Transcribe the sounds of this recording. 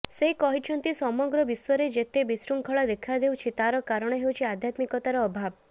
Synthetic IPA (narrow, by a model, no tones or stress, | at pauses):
seikɔɦit͡ʃʰɔnt̪isɔmɔɡɾɔbiswɔɾed͡ʒet̪ebisɾuŋkʰɔɭɔd̪ekʰad̪ewt͡ʃʰit̪aɾɔkaɾɔɽ̃ɔɦewt͡ʃʰiad̪ʱjat̪mikɔt̪aɾɔːbʱab